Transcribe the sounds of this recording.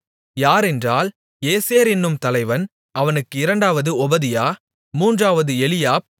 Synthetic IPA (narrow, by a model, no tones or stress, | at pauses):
jaːɾɛndraːl | eːseːɾɪnːɯmt̪ɐlɐɪʋɐn | ɐʋɐnɯkːɯɪɾɐɳɖaːʋɐðɯɔbɐðɪjaː | muːndraːʋɐðɯɛlɪjaːp̚